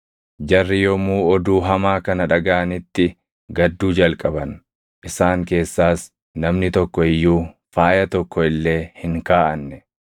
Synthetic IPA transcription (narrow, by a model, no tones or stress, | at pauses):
d͡ʒɐrːɪjɔmuːɔd̪uːɦɐmaːkɐnɐᶑɐɡaʔɐnɪt̪ːɪ | ɡɐd̪ːuːd͡ʒɐlkʼɐbɐn | ʔɪsaːŋke̞ːsːaːs | nɐmnɪt̪ɔkːɔɪjːuː | faːjɐt̪ɔkːɔɪlːe̞ːhɪŋkaːʔɐnːɛ